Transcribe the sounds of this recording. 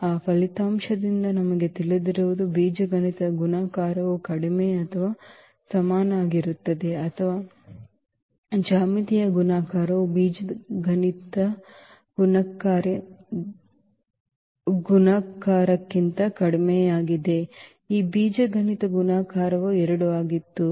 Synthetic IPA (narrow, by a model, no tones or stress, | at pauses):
aːpʰɐlit̪aːmʃɐd̪ind̪ɐnɐmɐɡe̞t̪ilid̪iɾuʋud̪ubiːd͡ʒɐɡɐnit̪ɐɡunaːkaːɾɐʋukɐɽimeɐt̪ʰɐʋaː | sɐmaːnaːɡiɾut̪ːɐd̪e̞ɐt̪ʰɐʋaː | d͡ʒaːmit̪ijɐɡunaːkaːɾɐʋubiːd͡ʒɐɡʱɐnit̪ɐ | ɡunɐkaːɾe | ɡunaːkaːɾɐkːint̪ɐkɐɽimejaːɡid̪e̞ | iːbiːd͡ʒɐɡʱɐnit̪ɐɡunaːkaːɾɐʋuɛɾɐɽuaːɡit̪ːu